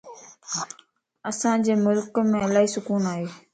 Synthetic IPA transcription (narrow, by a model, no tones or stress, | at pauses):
əsãːd͡ʑeːmʊlkmẽːɪlaːiːsʊkuːnaːɦeː